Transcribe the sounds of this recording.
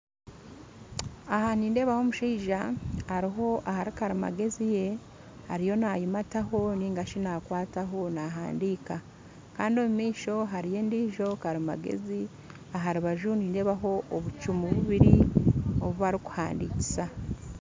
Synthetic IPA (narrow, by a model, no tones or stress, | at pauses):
ahaniːnde̞ːβaho̞muʃiːʒahaɾiɦo̞ʔahaɾikaɾima̰ɡe̞zije̞ | haɾijo̞naːjimataɦo̞niːŋɡaʃinaːkwaːtaɦo̞naɦa̰ːndiːka | kaːndio̞mumiːʃo̞ɦaɾije̞ːndiːʒo̞kaɾima̰ɡe̞̰zi | aɦaɾiβaʒuniːnde̞ːβaɦo̞ʔoβut͡ʃumuβuβiɾioβuβaɾiku̥ha̰ːndici̥sa